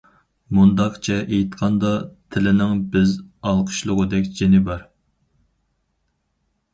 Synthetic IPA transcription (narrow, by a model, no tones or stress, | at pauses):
mund̪ɑqt͡ʃʰɛʔejt̪qʰɑnd̪ɑt̪ʰɪlɪnɪŋbɪzɑlˠqʰə̥ʃlˠʊʁəd̪ɛkʲd͡ʒenɪbɑɾ